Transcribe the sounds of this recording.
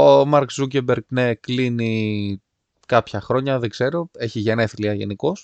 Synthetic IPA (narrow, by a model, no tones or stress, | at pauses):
omɐɾkuc̬ebeɾɡneklini | kɐpçɐxɾo̞ɲɐðeɡz̥e̞ɾo̞e̞çiʝeneθiliɐʝe̞̰niko̞s